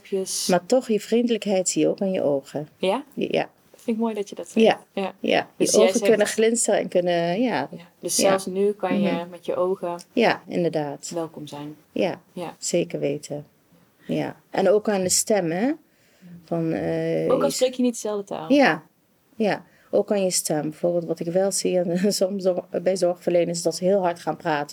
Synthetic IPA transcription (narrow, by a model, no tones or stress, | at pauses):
pjəsmaːɹtɔxjəv̥rindələkɦɛjtsiːjəo̰ːkanjə̰ʔoːɣəjaja̰ | flɪnkmoːjdɑtjədɔtjajaja̰jəʔoːχəkønəχlɪnstərəɛ̰nkønəjad̥əsːɛlˠsnykɑnjəmɛtjəʔowɣəjaɪ̰ndəɹdaːtʋɛlˠkɔmzɛjn | ja̰z̥eːkəɹʋeːtə | ja̰ʔɛ̰noːkaːndəstɛmɦɛ | fɑnəoksrekjənitdəzɛlˠdəta̰ːlˠja | ja | ʔoːkːanjəstʰɛmbɛv̥oːɹbɪːlˠtʋɑtɪkʋɛlˠziɛnsɔmsbɛjzɔɹχfəɹlejnənɪs̬dɑtsəɦɪːlˠɦɑɹtχaːnpraːtə